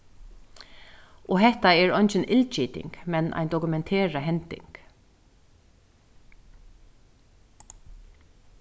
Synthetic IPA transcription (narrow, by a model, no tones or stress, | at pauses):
ɔːɦɛht̪aɛɹɔjnt͡ʃɪnʔɪlt͡ʃiːt̪ɪ̰ŋkmɛnʔa̰ɪnt̪ɔkʉmɛnt̪ʰeːɹaɦɛnt̪ɪ̰ŋk